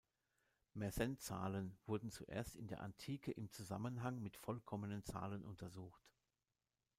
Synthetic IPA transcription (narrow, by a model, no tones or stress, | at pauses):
mɛɐzɛnt͡sa̰ːlənv̥ʊɐdn̩t͡suʔḛːɐstɪndeːɐʔa̰ntʰiːkʰəʔɪmt͡suza̰mənɦaŋmɪtfɔlkʰɔmənənt͡sa̰ːlənʔʊntʰɐzuːxt